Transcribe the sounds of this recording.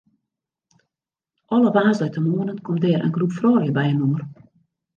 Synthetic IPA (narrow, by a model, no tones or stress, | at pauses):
ʔɔləʋaːzdɛtəmoənənkʰomdɛːɾʔə̰nɡrupfrɔːljəbɛjənuər